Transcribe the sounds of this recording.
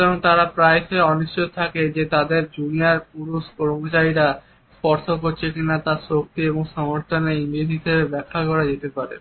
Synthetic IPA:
t̪ɔɾont̪aɾapɾajʃeɔniʃt͡ɕojt̪ʰaked͡ʑet̪ad̪eɾd͡ʑuniaɾpuɾuʃkɔɾmot͡ɕaɾiɾa | spɔɾʃokoɾt͡ɕʰekinat̪aʃok̚t̪ieboŋʃɔmoɾt̪ʰoneinid̪ʱit̪ʰebebɛkʰːakɔɾad͡ʑet̪epaɾḛ

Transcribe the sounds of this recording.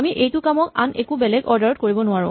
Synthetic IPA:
amiʔejtʊkamɔka̰nekubɛlɛɡɔɹdaɹɔt̚koɹibɔnʊaɹʊ̃

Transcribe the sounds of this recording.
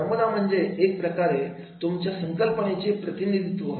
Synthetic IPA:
əmud̪am̤əɳd͡zeek̚pɾəkaɾe | t̪umt͡ɕjasəŋkəlpəɳet͡ɕepɾət̪inid̪ʱit̪ʋə

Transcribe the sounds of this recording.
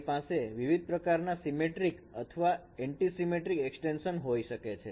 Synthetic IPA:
paseʋiʋid̪̚ʱpɾəkaɾnasimeʈɾikə̰t̪ʰəʋa | ɛ̃ɳʈisimeʈɾikɛksʈenʃənɦojʃəket͡ʃʰe

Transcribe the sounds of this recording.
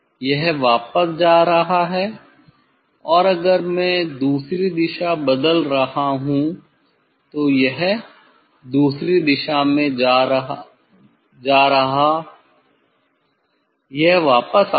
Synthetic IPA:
jɛɦʋaːpəsd͡ʒaːɾɐɦaɦɛː | ɔːɾɐɡəɾmɛ̃ːd̪uːsɾid̪ɪʃabɐd̪əlɾɐɦaɦũ | t̪ojɛɦ | d̪uːsɾid̪ɪʃamẽd͡ʒaː | d͡ʒaːɾɐɦa | jɛɦʋaːpəs

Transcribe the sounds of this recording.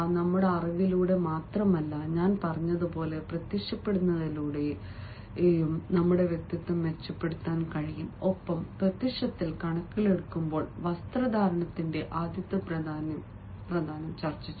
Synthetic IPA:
nɐmːuɽe̞ɐrɐʋiluːɽe̞maːt̪rɐmɐlːɐɲaːnpɐrɐɲːɐðupo̞ːle̞prɐt̪ːikʂɐpːe̞ɽunːɐðiluːɽe | nɐmːuɽe̞ʋjek̚t̪jɐt̪ːɨme̞t͡ɕːɐpːe̞ɽut̪ːaːnkɐɻijumo̞pːɐmprɐt̪ːikʂɐt̪ːilkɐɳɐkːile̞ɽukːumbo̞ːɭʋɐst̪rɐd̪ʱaːɾɐɳɐt̪ːinde̞ʔaːd̪jɐt̪ːɐpɐːnɐ | prɐd̪ʱaːnɐmt͡ɕɐrt͡ɕːit͡ɕːu

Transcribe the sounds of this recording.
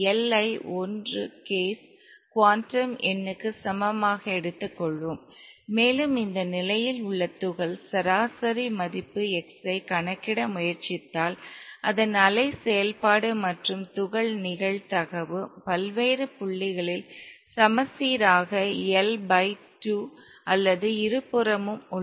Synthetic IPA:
ɛlɐɪɔndrɯkeːs | kʋaːnʈɾɐmɛnːɯkːɯsɐmɐmaːɣɐɛɽɯt̪ːɯkːɔɭʋɯmː | eːlɯmɪnd̪ɐnɪlɐjɪlʊɭːɐt̪ːʊɣɐɭsɐɾaːsɐɾimɐðɪpːɯɛksɐɪkɐɳɐkːɪɽɐmʊjɐɾt͡ʃɪt̪ːaːlʔɐðɐnɐlɐɪsɛjɐlpaːɽɯmɐʈrɯmt̪ʊɣɐɭnɪɣɐɭt̪ɐɣɐʋɯpɐlʋeːɾɯpʊɭːɪɣɐɭɪlsɐmɐsiːɾaːɣɐɛlbɐɪʈu | ɐlːɐðɯɪɾɯpːɯɾɐmɯmʊ

